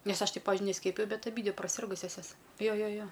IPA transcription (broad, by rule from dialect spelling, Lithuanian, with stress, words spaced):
ˈnʲɛs ɐʃ ˈtɐɪ ˈpɑːʋʲɪʒʲʊɪ nʲɛˈsʲkʲiɛpʲɪjɛʊ bʲɛt ɐˈbʲiːdʲʋʲɪ prɐˈsʲɪrɡʊsʲɛs ˈjoːs ˈjoː ˈjoː ˈjoː